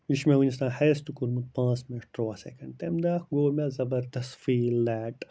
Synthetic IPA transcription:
iʃmewunist̪ãːheːst̪ukuɾmut̪̚pãːt͡sminʈʈɾoasḛkɐ̃ɳɖ̚t̪emd̪aːkɡoːmʲazɐbɐɾd̪ɐst̪fiːlaːʈ

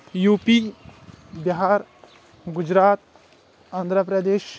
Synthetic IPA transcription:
juːpi | biɦaɾ | ɡud͡ʒɾaːt̪̚ | and̪ʱɾəpɾəd̪eːʃ

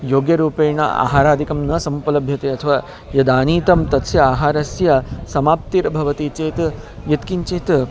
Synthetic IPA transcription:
joːɡjɐɾuːpeːɳɐ̰a̰ːɦaːɾaːd̪ʱikɐmnɐsɐmpɐlɐbʱjɐt̪eːɐt̪ʰɐʋaː | jɐd̪aːniːt̪ɐmt̪ɐt̪sjɐaːɦaːɾɐsjɐsɐmaːp̚t̪iɾɐbʱɐʋɐt̪iːt͡ʃeːt̪ | jɐt̪kint͡ʃeːt̪

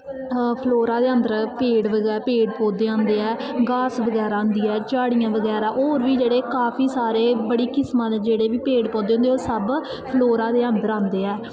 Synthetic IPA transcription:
pʰloːɾãːd̪eːənd̪əɾpeːɽʋəɡɛːpeːɖpɔ̃ːd̪eːãːnd̪eːɛːɡaːsʋəɡɛːɾaːɦʊ̃nd̪iːɛːt͡ʃaːɽijãːʋəɡɛːɾaːʔoːɾʋiːd͡ʒeːɽeːkaːpʰiːsaːɾeːbəɽiːkɪsmãːled͡ʒeːɽeːʋiːpeːɖpɔ̃ːnd̪eːõnd̪eoːɾsəb | pʰloːɾaːd̪eːənd̪əɾãːnd̪eːɛː

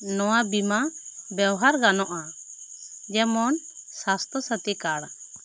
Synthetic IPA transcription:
nɔwabimabɛwɦaɾɡanɔʔa | d͡ʒɛmɔnsast̪ɔsat̪ikaɽa

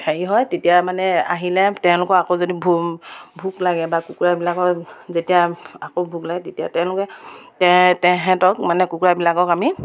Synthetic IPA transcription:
heɹiɦɔjtetijamanɛa̰ɦilɛtɛʊ̃lʊkɔakozodibʱubʱuklaɡɛbakukuɹabilakɔkzetijaakobʱuklaɡɛtetijatɛʊ̃lʊkɛtɛtɛɦɛ̃tɔk̚manɛkukuɹabilakɔkami

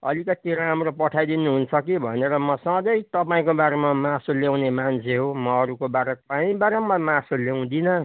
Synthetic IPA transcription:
ʌlikʌt̪iɾãɦamropʌʈʰajd̪inuɦunt͡sʰʌkibʱʌneɾʌmʌsʌ̃d̪ʌjt̪ʌpãĩkobaɾemamãsolew̃nemant͡sʰeɦomʌːɾukobaɾʌk̚paĩbaɾemʌmãsolew̃d̪inʌ

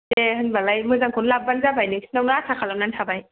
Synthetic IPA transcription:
dehɯnbalajmɯzaŋkʰunlap̚banzabajnɯnawnɯasʰakʰalanantʰabaj

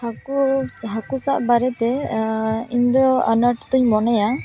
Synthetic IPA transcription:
hakusɦakusaʔbaɾɛt̪ɛ | iɲd̪ɔa̰naʈt̪uɲmɔnɛja

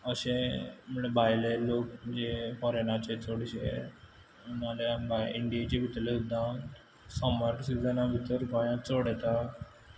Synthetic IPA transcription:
əɕẽməɳebʱajleloːkd͡ʑefɔɾenat͡ɕet͡soɽɕḛ | unalebʱajiɳɖijat͡ɕebʱit̪lesud̪ʱːã | sɔməɾʈsid͡zənãbʱit̪əɾbajãt͡soɽɛt̪a

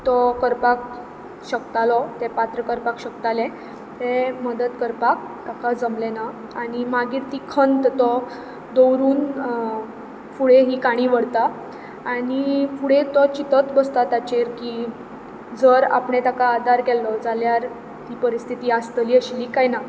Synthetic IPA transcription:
t̪ɔkəɾpak̚ | ɕəkt̪alɔt̪epat̪ɾəkəɾpakɕəkt̪alẽ | t̪eməd̪ət̪kəɾpak̚ | t̪akad͡zəmlena | aɽ̃imaɡiːɾt̪iːkʰənt̪t̪ɔ | d̪owɾuːn | fuɽeɦiːkaɽ̃iːʋəɽt̪aː | ɽ̃ifuɽet̪ɔt͡ɕit̪ət̪bəst̪at̪at͡ɕeɾki | d͡zəɾa̰pɳet̪akaːd̪ʱaɾɡɛlɔd͡zaljaɾ | t̪iːpəɾist̪ʰit̪iːast̪liːəɕliːkajna

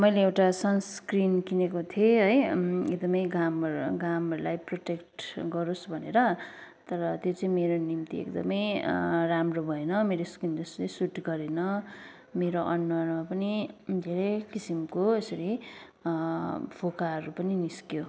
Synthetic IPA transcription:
mʌjleewʈasʌnskrinkinekot̪ʰieɦʌjek̚d̪ʌmʌjɡamɡamɦʌɾulajproʈekʈɡʌɾosbʱʌneɾʌt̪ʌɾʌt̪jot͡sʌĩmeɾonimt̪iḛkd̪ʌmʌjramrobʱʌenʌmeɾoskrintʌsɾisuʈɡʌɾenʌ | meɾoʔʌnːʌrmapʌnid̪ʱeɾʌjkisimkoesʌɾi | pʰokaɦʌɾupʌniniskjo

